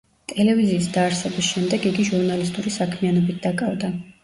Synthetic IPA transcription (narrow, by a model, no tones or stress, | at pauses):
t̪ʼɛlɛviziːsd̪aːɾsɛbisʃɛmd̪ɛɡiɡiʒuɾnalist̪ʼuɾisakʰmianɔbit̪̚ʰd̪akʼavd̪a